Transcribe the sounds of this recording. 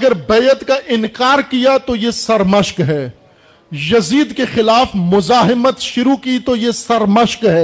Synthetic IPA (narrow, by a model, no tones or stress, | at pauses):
ɐɡəɾbɐjət̪kaʔɪnkaːɾkijat̪ojesɐɾmɐʃkɦɛː | jɐziːd̪kexɪlaːfmʊzaːɦɪmət̪ʃʊɾukit̪ojesɐɾmɐʃkɦɛː